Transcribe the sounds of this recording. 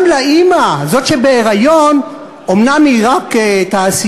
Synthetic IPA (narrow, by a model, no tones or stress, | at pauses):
mlaimazo̞t̪ʃebeeʁajon | omnamiʁaktaːsi